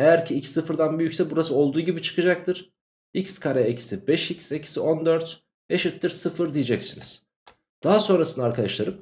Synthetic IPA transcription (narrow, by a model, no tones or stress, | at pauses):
e̞jæɾcʰiicsɯfɯɾd̪anbyjycʲsɛbuɾasɯo̞lˠd̪uːɟibit͡ʃʰɯ̥kʰɯd͡ʒak̚t̪ɯɾ̥ | icskʰaɾɛecʰi̥sibɛʃicsecʰi̥sio̞nd̪øɾt̪ | e̞ʃit̪ːiɾsɯfɯɾd̪ijed͡ʒɛcsiniz̥ | d̪̥aɦaso̞nɾasɯnaɾkʰad̪aʃlˠaɾɯm